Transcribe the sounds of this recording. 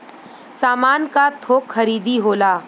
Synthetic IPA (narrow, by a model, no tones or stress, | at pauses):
saːmaːnkat̪ʰoːkxɐɾiːd̪iɦoːlaː